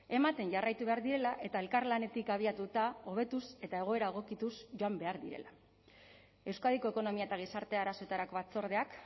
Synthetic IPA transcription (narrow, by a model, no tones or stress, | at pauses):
e̞mat̪e̞nʝarajt̪uβe̞aɾðiɾe̞laʔe̞t̪ae̞lkaɾlane̞t̪ikaβ̞iat̪ut̪ao̞β̞e̞t̪use̞t̪ae̞ɣ̞o̞e̞ɾaeɣ̞o̞kit̪usʝo̞ambe̞aɾðiɾe̞̰la | e̞wskaðiko̞e̞ko̞no̞miae̞t̪aɣ̞isaɾt̪e̞aɾaso̞e̞t̪aɾako̞βat͡so̞ɾð̞e̞ak